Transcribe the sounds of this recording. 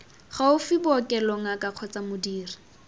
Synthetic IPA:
χaʊfibkʼɛlɔŋakʼaq͡χʰɔt͡samʊdiːri̥

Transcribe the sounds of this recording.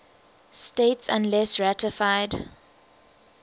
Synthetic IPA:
stetsã̰nlɛsɹatəfaɪd

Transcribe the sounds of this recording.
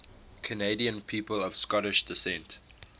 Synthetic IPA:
kʰəneɪdiə̃npʰiːpəlɔv̥skɔɾɪʃd̥ɪsɛ̃nt

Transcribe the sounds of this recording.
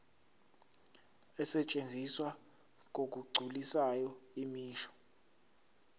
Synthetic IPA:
ɛsɛt͡ʃʼend͡zʱiswa | k̬ok̬ʼuɡ͡ǀʱulisajɔimiːʃɔ̥

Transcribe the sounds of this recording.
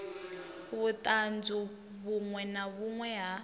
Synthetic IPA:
βut̪ʼand͡zu | βuŋwɛnaβuŋwɛɦa

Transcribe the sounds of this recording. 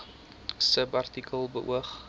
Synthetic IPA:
səpɐrtikʰəlˠbəʔṵəχ

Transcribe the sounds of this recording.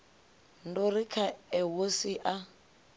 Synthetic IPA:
n̩dorikʰaɛwosiʔa

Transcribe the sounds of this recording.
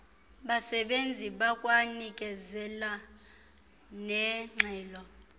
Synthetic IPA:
ɓasɛɓend͡zʱiɓakʼwanikʼɛzɛla | nɛŋ͡ǀʱɛːlɔ

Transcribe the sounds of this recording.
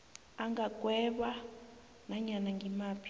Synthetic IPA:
aŋɡaɡ̥ʱwɛɓa | naɲanaŋɡʱimaːpʰi̥

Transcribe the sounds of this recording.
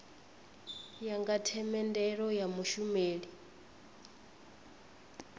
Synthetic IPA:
jaŋɡatʰɛmɛndɛɺɔjamuʃumeːɺi

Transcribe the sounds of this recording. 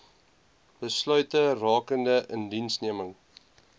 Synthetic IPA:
b̥əslœɥtərɑːkəndəʔəndinsniəməŋ

